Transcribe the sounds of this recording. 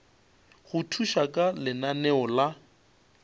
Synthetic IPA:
ɣʊtʰuʃakʼalɪnanɛɔla

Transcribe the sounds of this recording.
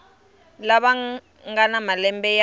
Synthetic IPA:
laβa | ŋɡanamalɛmbɛja

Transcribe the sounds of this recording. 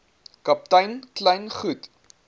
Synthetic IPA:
kɐp̚tɐjnklɐjnχut

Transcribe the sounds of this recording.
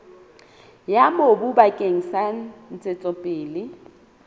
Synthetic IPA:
jamobubakʼeŋ̩san̩n̩t͡sʼɪt͡sʼɔpʼɪːlɪ

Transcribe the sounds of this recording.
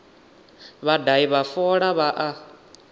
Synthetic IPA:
βadaiβafɔɺaβaʔa

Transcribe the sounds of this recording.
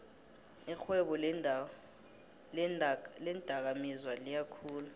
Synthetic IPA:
ixwɛɓɔ | lɛnd̥ʼʱak̬amizwalijakʰuːlu

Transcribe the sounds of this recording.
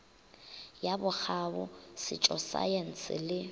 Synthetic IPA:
jabʊk͡xʰabʊsɪ̰t͡ʃʼɔsa̰jen̩sɪ̰lɪ

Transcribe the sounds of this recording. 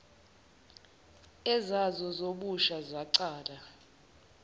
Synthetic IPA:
ɛzazɔzoɓuʃazaǀaːla

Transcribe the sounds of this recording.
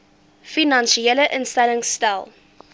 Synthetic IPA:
finanʃieləʔənstɛləŋstalˠ

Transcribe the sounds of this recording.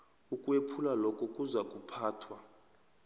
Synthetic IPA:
ukʼwepʰulalɔkʼɔkʼuzakʼupʰaːtʰwa

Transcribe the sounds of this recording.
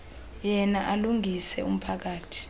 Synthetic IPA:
jɛnaʔaluŋʱisɛum̩pʰak̬aːtʰi̥

